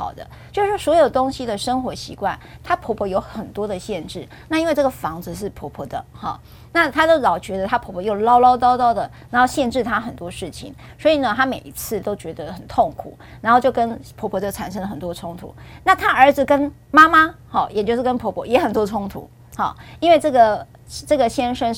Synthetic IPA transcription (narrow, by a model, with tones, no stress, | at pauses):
xɑ̰˨˩ʊd̪ə̰˦t͡ɕjo˥˧ʊʂɻ̩˥˩ʂwɔ˥swɔ˧˥jo˨˩ʊt̪ʊ˥ŋɕi˧d̪ə˨ʂə˥ŋxwɔ˧˥ɕḭ˧˥kwa˥˩nt̪ʰa˥pʰɔ˧˥pʰwɔ˧˥jo˧˥ʊxə˨˩nt̪wɔ˥d̪ə˨ɕjɛ˥˧nʈ͡ʂɻ̩˥˩ | na˥˧i˥nwe˥˧ɪʈ͡ʂɤ˥˩ɡə˩fɑ˧˥ŋd͡zɹ̩˧ʂ̬ɻ̩˥˩pʰɔ˧˥pʰɔ˧˥d̪ə̰˧˩xɑ˥˩ | na˥˩t̪ʰa˥d̪ə˧lɑ˨˩ʊt͡ɕɥɛ˧˥d̪ə˧t̪ʰa˥pʰɔ˧˥pʰɔ˧jo˥˩ʊlɑ˥ʊlɑ˥ʊt̪ɑ˥ʊt̪ɑ˥˩ʊd̪ə˩na˧˥nxo˥˧ʊɕjɛ˥˧nʈ͡ʂɻ̩˥˩t̪ʰa˥xə˨nt̪wɔ˥ʂɻ̩˥˩t͡ɕʰḭ˨˩˦ŋ | swɔ˧˥i˨˩nə˩t̪ʰa˥me˨˩ɪi˧˥t͡sʰɹ̩˥˩t̪o˥ʊt͡ɕɥɛ˧˥d̪ə˧xə˨˩nt̪ʰo˥˩ŋkʰṵ˨˩˦na˨˧nxo˥˧ʊt͡ɕjo˥˩ʊkə˦npʰɔ˧˥pʰɔ˧˥t͡ɕjo˥˩a̰˨˩nʂ̬ə˥ŋlə˨˩xə˨˩nt̪wɔ˥ʈ͡ʂʰʊ˥ŋt̪ʰṵ˨˧˦na˥˩t̪ʰa˥ʔə˞˧˥d͡z̩˨kə˥n | ma˥ma˥hɑ˥˩jɛ˨˩t͡ɕjo˥˧ʊʂɻ̩˥˩kə˥npʰɔ˧˥pʰɔ˧˩jɛ˧˥xə˨˩nt̪wɔ˥ʈ͡ʂʰʊ˥ŋt̪ʰṵ˧˥˦ | xɑ˥˩i˥nwe˥˧ɪʈ͡ʂɤ˥˩ɡə˩ | ʈ͡ʂɤ˥˩ɡə˩ɕjɛ˥nʂə˥n